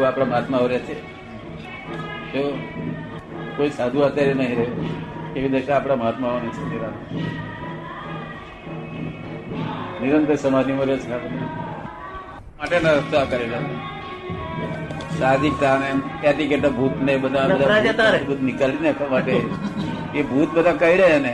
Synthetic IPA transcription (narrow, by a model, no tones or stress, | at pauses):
apɽ̃aməɦat̪maʋɾjat͡ʃʰe | t̪o | koisad̪ʱũat̪jaɾenəɦiɾəɦekeʋid̪əʃaːpɽ̃aməɦat̪maʋanəsʰəiɾan | niɾənt̪əsəmad͡ʒniməd̪ʱet͡snat̪ | maʈenaɾəst̪akəɾela | sad̪ik̚t̪anejat̪ik̬eʈ̪abʱuːt̪nabəd̪ʱabəd̪ʱaaat̪abʱuːt̪nikalinakamaʈe | ebʱuːt̪̚bəd̪ʱãkaiɽajena